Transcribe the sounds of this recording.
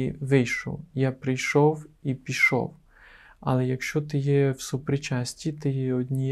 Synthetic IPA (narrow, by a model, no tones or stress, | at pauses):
ʋɪjʃɔ̰wjapɾɪjʃɔwipʲiʃɔ̰w | ɐ̰lˠɛjɐkʃt͡ʃɔt̪ɪjɛwsupɾɪt͡ʃasʲtʲit̪ɪjɛɔd̪ʲnʲi